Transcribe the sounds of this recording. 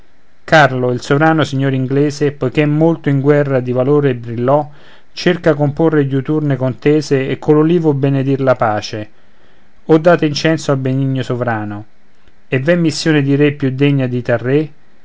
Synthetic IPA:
karloilsovɾaːnosiɲːoːɾiŋɡlɛːzɪpojk̟eɛmːolt̪oiŋɡwɛrːad̪ivaloːɾebɾilːɔ | t͡ʃerkakomporːeɟut̪urnekont̪ɛːzeːkʰːololiːvʊbened̪irlapaːt͡ʃe | ɔd̪ːaːt̪aint͡ʃɛnsoalbeniɲːosovɾaːno | evːɛmːisːjoːned̪iɾepːjud̪eɲːad̪it̪arːe

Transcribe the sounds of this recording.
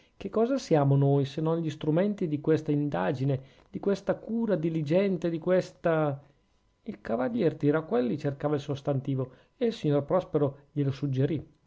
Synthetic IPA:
kekːɔːzasjaːmonoːjsenːonʎist̪ɾumɛnt̪id̪ikwest̪aind̪aːd͡ʒine | d̪ikwest̪akuːɾad̪ilid͡ʒɛnt̪ed̪ikwest̪a | ilkavaʎːɛrt̪iɾakːwɛlːit͡ʃerkaːvailsost̪ant̪iːvo | eilsiɲorpɾɔspeɾoʎelosud͡ʒːeɾi

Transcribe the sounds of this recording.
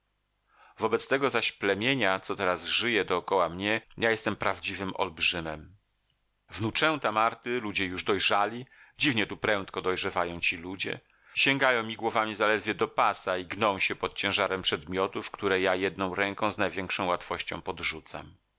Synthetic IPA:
vɔbɛt̪st̪ɛɡɔzaɕplɛmʲjeɲat̪sɔt̪ɛɾazʐɘjɛd̪ɔːkɔwamɲɛjajɛst̪ɛmpɾavd͡ʑivɘmɔ̰lbʐɘmɛm | vnut͡ʂɛw̃t̪amaɾt̪ɘlud͡ʑɛjuʐd̪ɔjʐalʲid͡ʑivɲɛt̪upɾɛnt̪kɔd̪ɔjʐɛvajɔ̃w̃t͡ɕilud͡ʑɛ̰ | ɕẽŋɡajɔ̃w̃mʲiɡwɔvamʲizalɛd̪vʲjɛd̪ɔpasaiɡnɔ̃w̃ɕɛpɔt̪̚t͡ɕɛ̃ʐaɾɛmpʂɛd̪mʲjɔt̪ufkt̪uɾɛjajɛd̪̚nɔ̃w̃ɾɛŋkɔ̃w̃znajvʲjɛŋkʂɔ̃w̃wat̪fɔɕt͡ɕɔ̃w̃pɔd̪ʐut̪sa̰m

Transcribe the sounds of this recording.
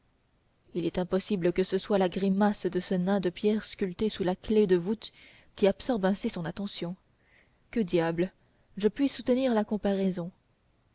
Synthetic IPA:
ilɛt̪ɛ̃pɔsibləkəsəswalaɡʁimasd̪əsənɛ̃d̪əpjɛʁskʲylt̪esulakled̪əvut̪ | kʲiapsɔʁbɛ̃sisɔ̃nat̪ɑ̃sjɔ̃ | kəd̪jabl | ʒəpɥisut̪əniʁlakɔ̃paʁɛzɔ̃

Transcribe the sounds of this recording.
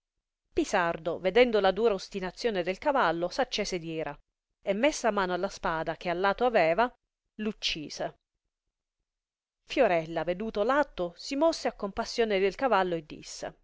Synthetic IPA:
pisard̪oved̪ɛnd̪olad̪uːɾaost̪inat̪sːjoːned̪elkavalːosat͡ʃːɛːsed̪jɛːɾʔa | emːesːamaːnoalːaspaːd̪ak̟ealːaːt̪oavɛːva | lut͡ʃːiːse | fjoɾɛlːaved̪uːt̪olat̪ːosimɔsːeakːompasːjoːned̪elkavalːoed̪ːḭsːḛ

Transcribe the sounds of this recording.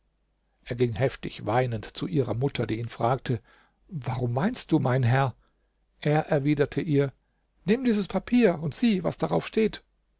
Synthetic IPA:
ʔeːɐɡɪŋhɦɛftɪçv̥aɪnəntt͡suʔiːʁɐmʊtʰɐdiːiːnfʁ̥aːk̚tʰə | vaʁʊmvaɪnst̚d̥uːmaɪnɦɛɐ | ʔeːɐʔɛɐviːdɐtʰəʔiːɐ | nɪmdiːzəspʰapʰiːɐʊntz̥iːva̰sd̥aʁaʊfʃteːt

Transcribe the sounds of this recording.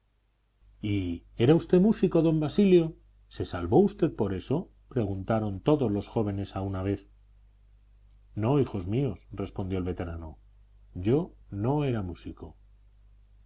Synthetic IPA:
ie̞ɾaust̪e̞musiko̞ðo̞mbasiljo̞ | se̞salβo̞ust̪e̞ðpo̞ɾe̞so̞ | pɾe̞ɣ̞unt̪aɾo̞nt̪o̞ðo̞zlo̞sxo̞β̞e̞ne̞saunaβ̞e̞θ | no̞ixo̞zmio̞sre̞spo̞nd̪jo̞lβe̞t̪e̞ɾano̞ | ɟ͡ʝo̞no̞e̞ɾamusiko̞

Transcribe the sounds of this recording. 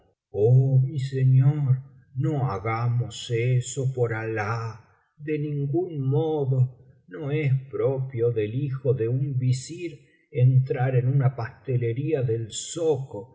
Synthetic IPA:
omiseɲoɾ | noaɣamoseso̞po̞ɾala | ðe̞nĩŋɡunmoðo | no̞espɾopjoðe̞lixo̞ðe̞umbisiɾ | ent̪ɾaɾenunapast̪ele̞ɾiaðe̞lsoko

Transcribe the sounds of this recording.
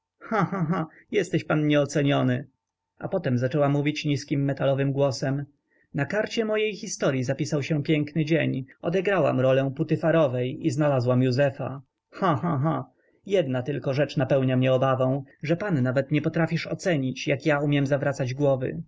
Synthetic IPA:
xãxãɦã | jɛst̪ɛɕpanɲɛɔt̪sɛɲɔnɘ | ʔa̰pɔt̪ɛmzat͡ʂɛwamuvʲit͡ɕɲiskʲimːɛt̪alɔvɘmɡwɔsɛm | nakaɾt͡ɕɛmɔjejxʲist̪ɔɾʲjizapʲisawɕɛpʲjɛŋknɘd͡ʑeɲɔd̪ɛɡɾawa̰mɾɔlɛ̃put̪ɘfaɾɔvɛjiznalazwamjuzɛfa̰ | xãxãɦã | jɛd̪nat̪ɘlkɔʐɛt͡ʂnapɛwɲamɲɛɔbavɔ̃w̃ʐɛpanːavɛt̪ɲɛpɔt̪ɾafʲiʂɔ̰t̪sɛɲit͡ɕjakjaumʲjɛmzavɾat̪sad͡ʑɡwɔvɘ̰

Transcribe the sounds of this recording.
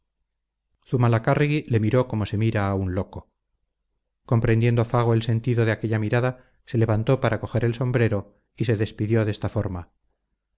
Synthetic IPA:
θumalakariɣile̞miɾo̞ko̞mo̞se̞miɾaːunlo̞ko | ko̞mpɾend̪je̞nd̪o̞faɣ̞oelse̞nt̪iðoð̞eake̞ʎamiɾaða | se̞le̞βant̪o̞paɾako̞xe̞ɾe̞lso̞mbɾe̞ɾo̞ | ise̞ðe̞spiðjo̞ðe̞st̪afo̞ɾma

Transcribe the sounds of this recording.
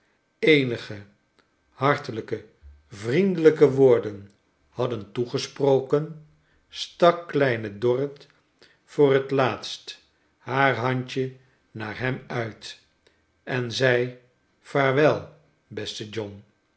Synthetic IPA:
ejnəχə | hɑɹtələkə | vrindələkəʋʊːɹdən | hɑdəntuχəsprowkən | stɑkːlɛjnədɔrət | fʊːrɦətlaːtst | haːɹɦɑɲt͡ʃə | naːɹɦɛmœɥt | ʔɛnzɛj | faːɹʋɛlˠ | bɛstəd͡ʒɔn

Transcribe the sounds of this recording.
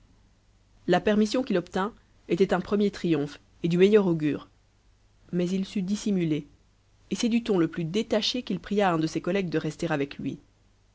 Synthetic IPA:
lapɛʁmisjɔ̃kilɔpt̪ɛ̃ | et̪ɛt̪ɛ̃pχəmjet̪χijɔ̃f | ed̪ymejœʁoɡʲyːʁ | mɛzilsyd̪isimyleː | sɛd̪yt̪ɔ̃ləplyd̪et̪aʃekʲilpχijaɛ̃d̪əsekɔlɛɡ̚d̪əʁɛst̪eʁavɛklɥḭ

